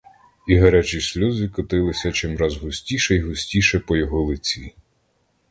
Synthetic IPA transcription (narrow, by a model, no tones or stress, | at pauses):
iɦɐɾɛt͡ʃisʲlʲɔzɪkɔt̪ɪlˠɪsʲɐt͡ʃɪmɾɑzɦʊsʲtʲiʃɛiɦʊsʲtʲiʃɛpɔjɔɦɔlˠɪt͡sʲi